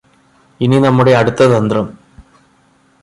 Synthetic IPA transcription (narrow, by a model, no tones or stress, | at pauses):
ininɐmːuɽe̞ɐɽut̪ːɐðɐnd̪rɐm